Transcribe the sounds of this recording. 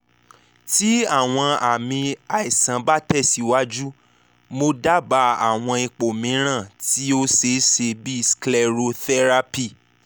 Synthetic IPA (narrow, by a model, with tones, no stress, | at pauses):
ti˦a˦˨w̃ɔ̃˧a˨mĩ˧a˨i˨sã˨˦ba˦tɛ˦˨si˨˦wa˦d͡ʒu˦ | mo˧da˦˨ba˧˦a̰˦˨w̃ɔ̃˧i˧k͡po˨mĩ˨˦ɾ̃ã˦˨ti˦o˦se˧ʃe˧bi˦sklɛ˧˨ɾo˧θɛ˦ɾa˧pi˦˨